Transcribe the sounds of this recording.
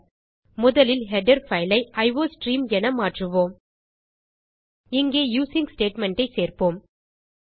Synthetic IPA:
mʊðɐlɪlɦɛɖɐɾfɐɪlɐɪʔɐɪʋoːsʈɾiːmɛnɐmaːʈrɯʋoːm | ɪŋɡeːjuːsɪŋɡsʈeːʈmɛɳʈɐɪseːrpoːm

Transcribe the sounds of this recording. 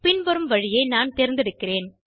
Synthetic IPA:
pɪnʋɐɾɯmʋɐɻɪjɐɪnaːnt̪ɛɾɪnd̪ɪɛɽɯkːɪreːn

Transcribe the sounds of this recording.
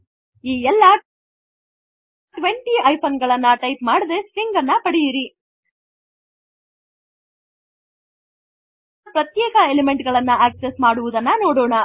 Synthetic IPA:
iːɛlːɐ | ʈʈʋeɳʈiɐjpʰɐnɡɐɭɐnːɐʈɐjpmaːɽid̪e̞spiŋɡɐnːɐpɐɽijiɾi | pɾɐt̪jɛːkɐelemeɳʈɡɐɭɐnːɐʔeːksesmaːɽuʋud̪ɐnːɐnoːɽoːɳɐ

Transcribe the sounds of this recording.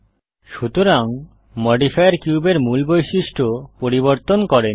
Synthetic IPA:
ʃut̪oɾaŋ | mɔɖifajaɾkjubeɾmulbojʃiʃʈʰopoɾiβoɾt̪onkɔɾen

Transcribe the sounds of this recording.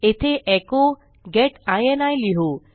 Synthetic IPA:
et̪ʰeʔɛko | ɡɛʈajenajliɦo

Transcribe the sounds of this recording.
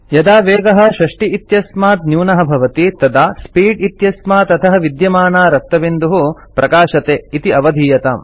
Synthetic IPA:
jɐd̪aːʋeːɡɐɦɐ̆ʃɐʂʈiːt̪jɐsmaːt̪njuːnɐɦɐ̆bʱɐʋɐt̪it̪ɐd̪aːspiːɖit̪jɐsmaːt̪ɐt̪ʰɐɦɐ̆ʋid̪jɐmaːnaːɾɐk̚t̪ɐbind̪uɦu | pɾɐkaːʃɐt̪eːit̪iɐʋɐd̪ʱiːjɐt̪aːm

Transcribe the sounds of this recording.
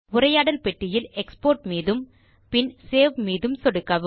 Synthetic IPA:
ʊɾɐjaːɽɐlpɛʈːɪjɪlɛkspoːrʈmiːðɯm | pɪnseːʋmiːðɯmsɔɽɯkːɐʋɯ

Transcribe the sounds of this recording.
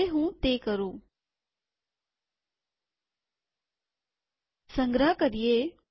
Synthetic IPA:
eɦũːt̪ekəɾũː | sə̃ŋɡɾəɦəkəɾije

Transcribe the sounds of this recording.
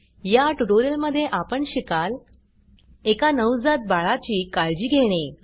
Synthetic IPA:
jaʈuʈoɾiəlməd̪ʱːjeʔapəɳɕikal | ekanəwd͡zat̪̚baɭat͡ɕiːkald͡ʑiːɡʱeɽ̃e

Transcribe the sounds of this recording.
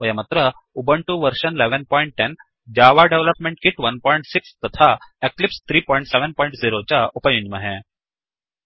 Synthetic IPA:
ʋəjamat̪ɾə | ubəɳʈuʋəɾɕənleʋənpɔiɳʈ̚ʈɛn | d͡ʑaʋaɖeʋləpmẽɳʈ̚kiʈʋənpɔiɳʈsikst̪ət̪ʰaeklipst̪ʰɾiːpɔiɳʈsɛʋənpɔjĩɳʈziɾot͡ɕaʔupəjũɲd͡ʑməɦɛ̃

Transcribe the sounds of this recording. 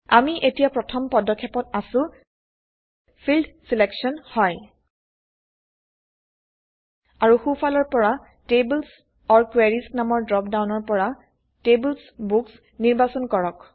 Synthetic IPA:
amiʔetijapɹɔtʰɔmpɔdɔkʰːɛpɔtasʊ̃ | pʰildsilɛksɔnhɔj | aɹuxufʰalɔɹpɔɹa | tebuls | ɔɹkweɹisnamɔɹdɹɔpdawnɔɹpɔɹa | tebulsbuks | niɹbasɔnkɔɹɔk

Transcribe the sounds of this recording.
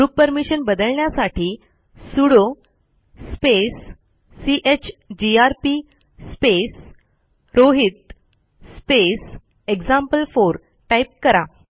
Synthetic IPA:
ɡɾupːəɾmiɕənbəd̪əɭɳjasaʈʰiː | suɽo | spesː | iʔet͡ɕd͡ʑiaɾpi | spes | ɾoɦit̪̚ | spes | eɡd͡zampəlfoɾ | ʈaip̚kəɾa

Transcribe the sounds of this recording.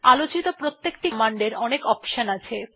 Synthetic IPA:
alot͡ɕit̪opɾot̪ːek̚ʈimaɳɖeɾɔnekɔpʃanat͡ɕʰe

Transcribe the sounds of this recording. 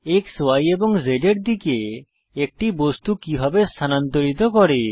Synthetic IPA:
ekswajebɔŋzeɖeɾd̪ikeː | k̚ʈibost̪ukibʱabest̪ʰanant̪oɾit̪ɔkɔɾe

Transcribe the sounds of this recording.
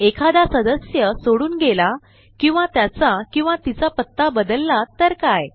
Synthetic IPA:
ekʰad̪asəd̪əsjəsoɽuːnɡela | kĩw̃ʋat̪jat͡sakĩw̃ʋat̪it͡sapət̪ːabəd̪əlːat̪əɾkaj

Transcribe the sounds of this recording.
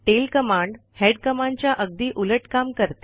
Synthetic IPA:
ʈelkəmãɳɖheɽkəmãɳɖt͡ɕjaʔəɡ̚d̪iːʔuləʈkamkəɾt̪e̥

